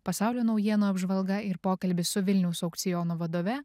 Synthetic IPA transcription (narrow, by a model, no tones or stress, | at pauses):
pɐsɑˑʊlʲoːnɒʊjiɛnoːɐbʒʋɐlˠɡɐɪɾpoːkɐlʲbʲɪsʊʋʲɪlʲnʲɛʊsɐʊkt̪sʲɪjɔːnoːʋɐd̪oːʋʲɛ